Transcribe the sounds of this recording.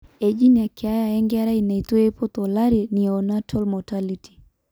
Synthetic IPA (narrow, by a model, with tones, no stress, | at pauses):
e˨d͡ʒi˦nja˨kɪ˨a˦ja˨ɛ˦ŋɡɪ˦a˦ɾa˦i˨na˨i˨t̪o˦e˦po˦t̪ɔ˨la˦ɾi˨ni˨a˨ɔ˨na˦tʰɔ˦lmɔ˨taliti̥˨